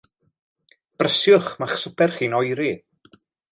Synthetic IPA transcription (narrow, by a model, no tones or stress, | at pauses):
b̥rəsjʊχmaχsəpʰɛrχiːnɔjɾi